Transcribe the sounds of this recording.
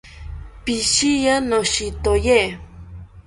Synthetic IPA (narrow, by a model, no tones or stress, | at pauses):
piʃijanoʃit̪oje